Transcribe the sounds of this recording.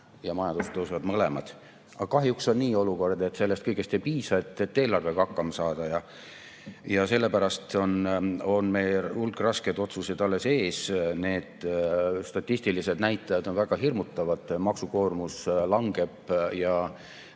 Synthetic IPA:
jɑmɑjɑnd̪̥ust̪ːˑosuvɑd̪mɤlemɑd̪̥ | ʔɑkɑɦjukso̞nnːiːoluko̞rd̪̥e̞t̪ːse̞lːest̪̚kɤjɡ̥est̪e̞jpiːsɑet̪ːˑet̪ːe̞ːlɑrve̞kɑɑkːɑmɑsɑːd̪̥ɑjɑ | jɑse̞lːe̞pæɾɑst̪o̞no̞nme̞jlulɡrɑsked̪o̞t̪suse̞d̪ɑlːe̞se̞ːsne̞ːd̪̥st̪ɑt̪ʲːist̪ilised̪næjt̪ːˑɑjɑd̪̥onvæɡ̥ɑɦirmut̪ˑːɑvɑd̪̥mɑksuko̞ːrmuslɑŋɡ̥e̞b̥jɑ

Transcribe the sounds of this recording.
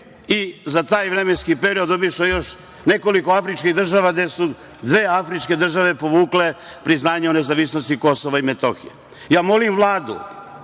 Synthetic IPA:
izat̪aːjʋɾeme̞nskipe̞ɾiod̪obiʃojo̞ʃ | ne̞ko̞liko̞afɾit͡ʃkiɣd̪r̩ʒaʋaɡd̪e̞su | d̪ʋeːafɾit͡ʃke̞d̪r̩ʒaʋe̞po̞ʋuːkle̞ | pɾiznaːɲeone̞zaʋisnost̪iko̞soʋaimet̪o̰xḭjḛ | jaːmo̞limʋlˠaːd̪ṵ

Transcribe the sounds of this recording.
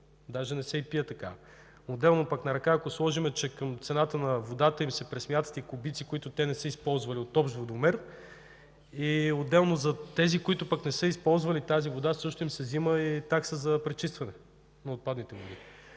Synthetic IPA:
d̪aʒɛnɛsɛipijət̪ɐka̰ | od̪ːɛlˠnopɐknɐɾɐkaːkoslˠɔʒimɛt͡ʃɛkɐmt̪sɛnat̪ənɐvod̪at̪əimsɛpɾɛsmjat̪ə̥t̪ikʊbit̪sikʊit̪ʊt̪ɛnɛsəispɔlˠzvɐliot̪ɔpʃd̪vod̪omɛɾ | iod̪ɛlˠnozɐt̪ɛzikʊit̪ʊpəknɛsəispɔlˠzvɐlit̪azivod̪asɤʃt̪ʊimsɛziməit̪aksəzɐpɾɛt͡ʃist̪vɐnɛ | nɐot̪̚pad̪nit̪ɛvod̪i

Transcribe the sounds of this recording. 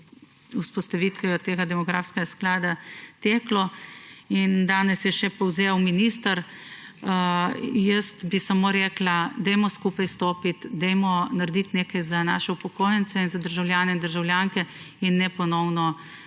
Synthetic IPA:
uspɔst̪ɐʋit̪ʋɛjɔt̪eːɡad̪ɛmɔɡɾaːfskɛɡasklaːd̪at̪eːklɔ | ind̪aːnɛsjɛʃɛpɔwzewminist̪əɾ | jəst̪bisamoːɾeːklad̪ɛjmɔskupajst̪oːpit̪d̪ɛjmɔnaɾd̪it̪neːkajzanaːʃɛupɔkoːjɛnt̪sɛinzad̪əɾʒawljaːnɛind̪əɾʒawlʲjaŋkɛ | inːɛpɔnɔwnɔ

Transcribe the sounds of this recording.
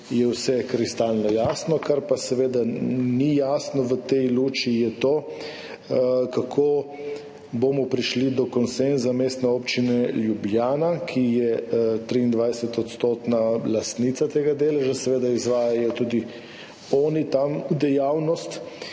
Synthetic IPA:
jɛwsɛkɾist̪aːlnɔjaːsnɔkaɾpasɛʋeːd̪anijaːsnɔʋət̪ɛjluːt͡ʃijɛt̪oː | kakʰoː | boːmɔpɾiʃlid̪ɔkɔnsɛnzameːst̪nɛoːpt͡ʃinɛljubjaːnakʰijɛt̪ɾiːnd̪ʋajsɛt̪ɔt̪st̪oːt̪nalast̪nit̪sat̪eːɡad̪eːlɛʒasɛʋeːd̪aizʋaːjajɔt̪uːd̪i | ɔːnit̪amud̪ɛjawnɔst̪

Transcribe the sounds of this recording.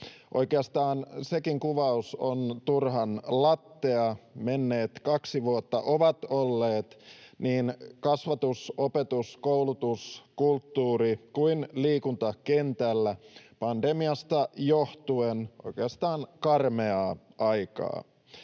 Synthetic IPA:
ʔo̞̰ikeɑst̪ɑːnsekiŋkuʋɑusont̪urɦɑnlɑt̪ːeɑmenːe̞ːt̪kɑksiʋuot̪ːɑʔoʋɑt̪olːeːt̪niːnkɑsʋɑt̪usopet̪uskoulut̪uskult̪ːuːrikuinliːkunt̪ɑkent̪ælːæpɑndemiɑst̪ɑjoht̪uenʔo̞̰ikeɑst̪ɑːnkɑrmeɑʔɑjkɑ̰ː

